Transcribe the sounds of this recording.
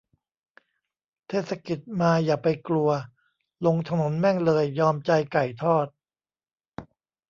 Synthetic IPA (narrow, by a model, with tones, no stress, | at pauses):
t̪ʰeː˥˩t̪̚sa˧ki˨˩t̪̚maː˧jaː˨˩pa˧jklu˧ɐ | lo˧ŋt̪ʰa˧no˩˦nmɛ˥˩ŋlɤː˧jːɔː˧mt͡ɕa˧jka˨˩jt̪ʰɔː˥˩t̪̚